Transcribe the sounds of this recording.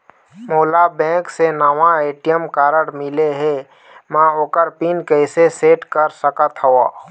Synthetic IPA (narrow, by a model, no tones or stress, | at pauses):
moːlabɛ̃ːksenaʋãeːʈijəmkaːɾəɽmɪleɦɛː | mãoːkəɾpiːnkɛɪseseːʈkəɾsəkət̪ɦəaː